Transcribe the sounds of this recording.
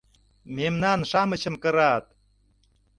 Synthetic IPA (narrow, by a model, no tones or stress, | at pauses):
memnɑnʃɑmə̆t͡ɕə̆mkə̆ɾɑt̪̚